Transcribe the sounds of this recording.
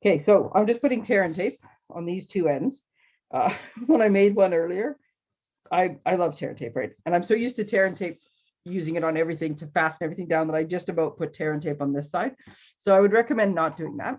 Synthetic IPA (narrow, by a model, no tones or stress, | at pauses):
kʰeɪsoʊã̰ɪ̃md͡ʒʌspʊɾɪ̃ŋtʰɛɹɨ̃ntʰeɪp̚ | n̩ðiz̥tʰʉɛ̃ndz̥ | ʔʌwə̃ñaɪmeɪd̚wʌ̃nɜ˞lˠiə˞ | aɪaɪlʌv̥tʰɛ̰ɹɨ̰̃ntʰeɪpɹaɪt̚ɨ̃ñãɪ̃msoʊjʉstɨtʰɛɹɨ̃ntʰeɪp̚ | jʉzɪ̃ŋɨɾn̩ɛvɹiθɪ̃ŋtʰɨfæsnɛvɹiθɪ̃ŋdãʊ̃nðəɾaɪd͡ʒʌstɨbaʊt̚pʰʊtʰɛɹɨ̃ntʰeɪpn̩ðɪsaɪd̥̚ | soʊaɪwɨd̚ɹɛkɨmɛ̃nːət̚d̥ʉɪ̰̃ŋðæ̰t̚